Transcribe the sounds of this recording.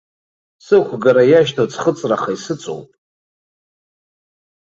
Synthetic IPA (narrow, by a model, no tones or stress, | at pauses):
sɨχʷʰɡaɾajaʃtʰot͡sʰʼχət͡sʼraχaisɨt͡sʼo̰wpʼ